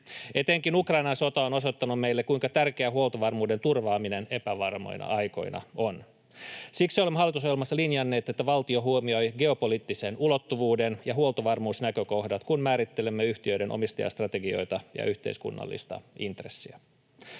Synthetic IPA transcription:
e̞t̪eŋkinukrɑjnɑnso̞t̪ɑono̞sot̪ːɑnummejlːekkuiŋkɑt̪ærkeæɦuo̞lt̪oʋɑrmuːde̞nt̪urʋɑːmine̞ne̞pæʋɑrmo̰jnɑ̰ʔɑjko̞̰jnɑ̰on | siksolemɑlːit̪uso̞jelmɑsːɑlinjɑnːe̞ːt̪et̪ːæʋɑlt̪io̞ɦuomio̞jɡe̞o̞poliːt̪ːisenulo̞t̪ːuʋuːdenjɑɦuolt̪oʋɑrmuːsnækøko̞hdɑt̪kunmæːɾit̪ːe̞lemːeyht̪iøjde̞nʔo̰mist̪ɑ̰jɑ̰st̪rɑt̪eɡio̞̰jt̪ɑjɑ̰ʔyht̪ḛiskṵnːɑ̰lːḭst̪ɑ̰int̪resːiæ

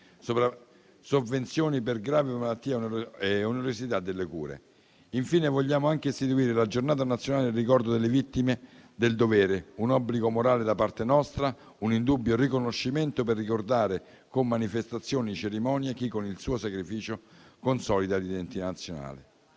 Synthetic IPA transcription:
sopɾa | sovːent̪sjoːniperɡɾaːvemalat̪ːiːaeuneɾosit̪ad̪ːelːekṵːɾḛ | iɱfiːnevoʎːaːmoaŋk̟eːst̪it̪uiːɾelad͡ʒornaːt̪anat̪sːjonaːlerːikɔrd̪od̪elːevit̪ːimed̪eld̪ovɛːɾeunɔbːliɡomoɾaːled̪apart̪enɔst̪ɾa | unind̪ubːjorikonoʃːiment̪operːikord̪aːɾe | komːanifest̪at̪sːjoːnit͡ʃeɾimɔːnjak̟ikːonilsuːosakɾifiːt͡ʃokonsɔːlid̪alid̪ent̪it̪anːat̪sːjona̰ːle

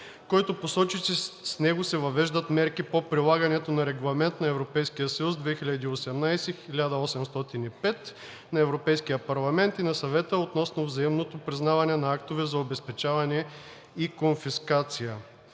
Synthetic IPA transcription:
kɔjt̪oposɔt͡ʃisisnɛɡosɛvɐvɛʒd̪ət̪mɛɾkipopɾilˠaɡɐnɛt̪onɐɾɛɡlˠɐmɛnt̪nɐɛvɾopɛjskijəsɐjusd̪vɛxiʎʲɐd̪iːosɛmnajsɛxilʲad̪əɔsɛmst̪ɔt̪inipɛt̪ | nɐɛvɾopɛjskijəpɐɾlˠɐmɛnt̪inɐsɐvɛt̪əot̪nɔsnovzɐimnot̪opɾiznavɐnɛnɐak̚t̪ovɛzɐobɛspɛt͡ʃavɐnɛ | ikonfiskat̪sijə

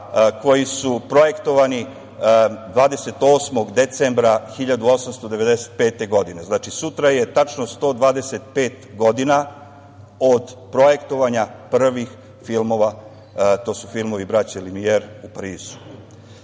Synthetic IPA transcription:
ko̞jisupɾo̞je̞kt̪o̞ʋani | d̪ʋaːd̪e̞se̞t̪o̞ːsmo̞ɡd̪e̞t̪sembɾaxiʎad̪uo̞samst̪o̞d̪e̞ʋe̞d̪ese̥t̪̚pe̞ːt̪e̞ɡo̞d̪ine̞znat͡ʃisut̪ɾaje̞t̪at͡ʃno̞st̪o̞d̪ʋaːd̪ese̞t̪̚peːt̪ɡo̞d̪ina | o̞d̪pɾo̞je̞kt̪o̞ʋaɲapr̩ʋix | filmo̞ʋa | t̪o̞ːsufilmo̞ʋibɾat͡ɕeilimieɾupaɾiːzu̥

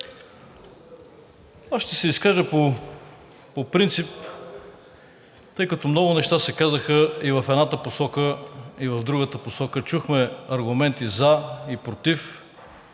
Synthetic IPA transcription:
aʃt̪ɛsɛiskaʒəpo | popɾint̪sip̚ | t̪ɤjkɐt̪ɔmnɔɡʊnɛʃt̪asɛkazəxəivɐfɛd̪nat̪əposɔkəivɐvd̪ɾuɡət̪əposɔkət͡ʃuxmɛɐɾɡʊmɛnt̪izaipɾot̪if

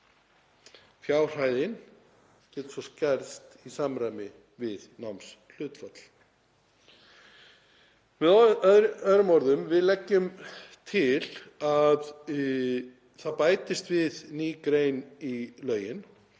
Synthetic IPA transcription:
fjaːwr̥aːjðɪn | cɛːt̪sɔscɛɾst̪isamɾajmɪ | vɪðnawmsl̥ʏːt̪fat̪l̥ | vɪððɾœðɾʏmɔɾðʏmvɪðlɛcːʏmt̪ʰɪlað | θaðpaːjt̪ɪst̪vɪðniːkɾeːjnilœːɥjɪn

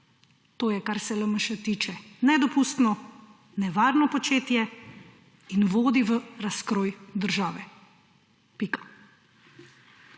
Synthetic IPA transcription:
t̪oːjɛkaɾsɛləməʃɛt̪iːt͡ʃɛnɛd̪ɔpust̪nɔ | nɛʋaːɾnɔpɔt͡ʃeːt̪jɛ | inʋoːd̪iʋəɾaskɾoːjd̪əɾʒaːʋɛ | pikḁ

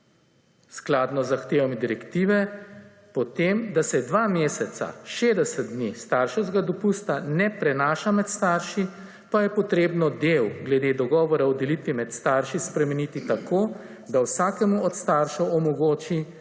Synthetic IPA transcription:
sklaːd̪nɔzːaxt̪eːʋamid̪iɾɛkt̪iːʋɛ | pɔt̪emd̪asɛd̪ʋaːmeːsɛt̪sa̰ʃeːd̪ɛsət̪̚d̪nist̪aːɾʃɛzɡad̪ɔpust̪anɛpɾɛnaːʃamɛt̪st̪aɾʃi | pajɛpɔt̪ɾeːbnɔd̪ewɡlɛd̪eːd̪ɔɡɔːʋɔɾaɔd̪ɛlit̪ʋimɛt̪st̪aɾʃispɾɛmɛnit̪it̪akoː | d̪awsaːkɛmuɔt̪st̪aːɾʃɛwɔmɔɡoːt͡ʃi

